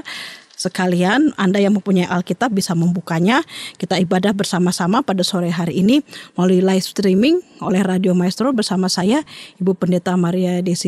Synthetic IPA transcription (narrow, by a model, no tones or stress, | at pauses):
səkalianandajaŋməmpuɲaiʔalkit̪ap̚bisaməmbukaɲakit̪aibadahbərsamasamapadasoɾɛɦaɾiːnimaluilajfst̪ɾimɪŋolɛhradiomajst̪ɾobərsamasajaibupəndet̪amaɾiadesi